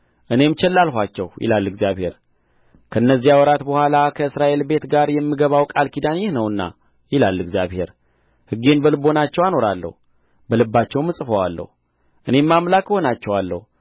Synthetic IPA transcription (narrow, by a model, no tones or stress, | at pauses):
ʔɨne̞mt͡ʃɛlːalɦʷat͡ʃːɛ̰wjɪ̰lalːɨɡzijaβhe̞ɾ | kʰənːəzːijawɔɾat̪bəhʷalakʰəɨsɾaʔe̞lbe̞t̪ɡaɾjɛmːɨɡəβawkʼalkid̪anjɪhnəwɨnːa̰ | jɪlalːɨɡzjaβhe̞ɾ | hɨɡe̞nbəlɨbo̞nat͡ʃːɛwano̞ɾalːə̰hu | bəlɨbːat͡ʃːɛwmːɨsʼɨfəwalːə̰hu | ʔɨne̞mːamlakho̞nat͡ʃːɛwalːə̰hu